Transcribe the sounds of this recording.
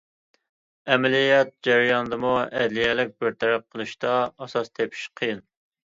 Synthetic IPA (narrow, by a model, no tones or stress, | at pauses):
ɛmlijɛt̪̚d͡ʒæɾijɑnd̪ɨmuɛ̰d̪lijɛlɪk̚ʲbɪɾt̪ʰæɾæp̚qʰəlˠɨʃt̪ɑɑsɑst̪ʰepʰi̥ʃqʰɨjɨn